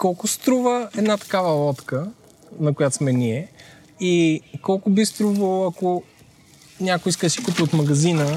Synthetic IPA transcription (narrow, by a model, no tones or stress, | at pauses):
kɔlˠkʊst̪ɾuvəɛd̪nat̪ɐ̥kavəlˠɔt̪kə | nɐkʊjat̪osmɛnʲiɛ | ikɔlˠkʊbist̪ɾuvəlˠɐko | nʲakʊiskəsi̥kupiot̪mɐɡɐzinə